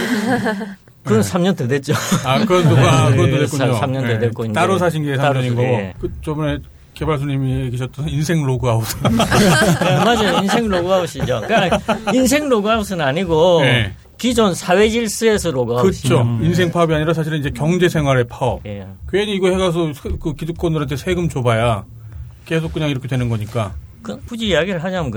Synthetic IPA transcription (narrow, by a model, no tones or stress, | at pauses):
kɯʌnsʰamɲʌntedwet̚t͡ɕ͈oakɯɾʌndoɡakɯʌedekuɲoamɲʌnedek͈ointaɾos̬ʰaɕ̬ʰinɡeːsʰaaɲʌɲinɡʌɡokɯt͡ɕʌmne | kebaɭs̬ʰoɲimieɡeɕʰʌt͈ʌinsʰe̞ŋɾoɡuɦaos | emad͡ʑajinsʰe̞ŋɾoɡuɦauɕ͈id͡ʑokains̬ʰe̞ŋɾoɡuɦaos̬ɯnaɲiɡoje | kid͡ʑonsʰawe̞d͡ʑiɭs͈ɯesʰʌɾoɡuaɯɕt͡ɕʰoins̬ʰeŋpʰaʌbiaɲiɾasʰaɕʰiɾɯnid͡ʑe̞kjʌŋd͡ʑe̞sʰeŋwaɾe̞pʰaʌp̚jekweniːɡʌheɡas̬ʰʌsʰkɯkiduk̚k͈ʌndɯɾɦantʰe̞sʰe̞ɡɯmt͡ɕobaja | ke̞sʰok͈ɯɲaŋiɾʌkʰe̞dwe̞nɯnɡʌɲik͈akɯpud͡ʑiiaɡiɾɯɭɦad͡ʑamɡ